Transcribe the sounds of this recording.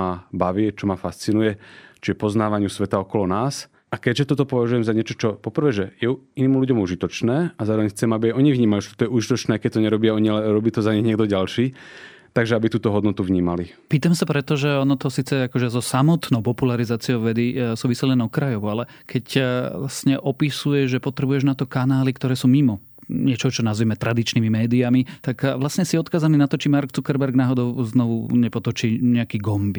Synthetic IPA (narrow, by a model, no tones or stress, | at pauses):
abaʋɪɛt͡ʃɔmafast͡sinujɛt͡ʃɔjɛpɔznaːʋaɲɪusʋɛt̪aɔkɔlɔnaːs | ʔakɛɟʒɛt̪ɔt̪ɔpɔʋaʒujɛmzaɲɪɛt͡ʃɔt͡ʃɔpɔpr̩ʋɛːʒɛjɛuiniːmluɟɔmuʒit̪ɔt͡ʃnɛːazaːɾɔʋɛɲxt͡sɛmabiaʔɔɲiʋɲiːmajuʒɛt̪ɔt̪ɔjɛuʒit̪ɔt͡ʃnɛːakɛc̚t̪ɔɲɛɾɔbɪaɔɲialɛɾɔbiːt̪ɔzaɲɛɲɪɛɡ̚d̪ɔɟalʃiː | t̪aɡʒɛabit̪uːt̪ɔɦɔd̪nɔt̪uvɲiːmali | piːt̪amsapɾɛt̪ɔʒɛɔnɔt̪ɔsiːt͡sɛakɔʒɛzɔsamɔt̪nɔʊpɔpulaɾizaːt͡siɔʊʋɛd̪isuːʋisɛlɛnɔkɾajɔʊalɛ | kʰɛclasɲɛʔɔpisujɛʒʒɛpɔt̪ɾɛbujɛʒnat̪ɔkanaːlikt̪ɔɾɛːsuːmimɔ | ɲɪɛt͡ʃɔɦʊt͡ʃɔnazʋimɛt̪ɾad̪it͡ʃniːmimɛːd̪iamit̪akʋlasɲɛsiɔt̪kaːzaniːnat̪ɔt͡ʃimaɾkt͡sukɛɾbɛɾɡnaːɦɔd̪ɔʊznɔʋuɲɛpɔt̪ɔt͡ʃiːɲɛakiːɡɔmbi